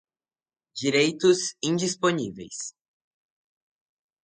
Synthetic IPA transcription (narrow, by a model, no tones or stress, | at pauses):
d͡ʒiɾejt̪ʊzĩd͡ʒisponivḛjs